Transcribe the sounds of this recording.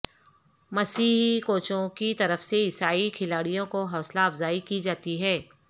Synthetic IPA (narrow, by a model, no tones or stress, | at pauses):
mɐsiːɦkoːt͡ʃõkit̪ɐɾəfseɪsaːikʰɪlaːɽijõkoɦɔːslaɐbzaːikid͡ʒaːt̪iɦɛː